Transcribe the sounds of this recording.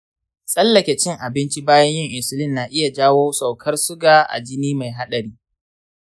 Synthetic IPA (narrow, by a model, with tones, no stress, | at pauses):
sʼɐ˦lːɐ˨kʲe˨t͡ʃɪ˦ŋʔa˨bɪ˦nt͡ʃi˦baː˦jɐ˦ɲjɪ˦˨ŋʔɪ˨sʊ˦lɪ˦nːaː˨ʔɪ˦ja˨d͡ʒaː˦woː˦sʼa˨wkʰɐ˦rsʊ˦ɡaː˨ʔa̰˨d͡ʒɪ˦niː˦ma˨jɦa˦ɗɐ˨ɾiː˦